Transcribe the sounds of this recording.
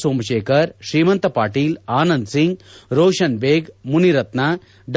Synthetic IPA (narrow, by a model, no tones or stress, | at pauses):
soːmɐʃeːkʰɐɾʃɾiːmɐnt̪ɐpaːʈiːlaːnɐnd̪siŋɡɾoːʃɐnʋeːɡmuniɾɐt̪naː | ɖ